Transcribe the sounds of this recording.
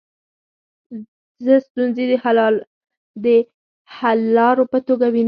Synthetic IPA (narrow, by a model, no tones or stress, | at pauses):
zəst̪unzi | d̪ə | halːɑɾopət̪oɡawin